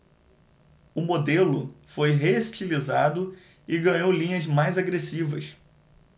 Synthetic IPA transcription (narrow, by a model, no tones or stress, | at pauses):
ʊmod̪elʊfojɦeʃt͡ʃilizad̪ʊ | ɪɡɐ̃ɲowlĩɲɐzmajzaɡɾesivɐ̰s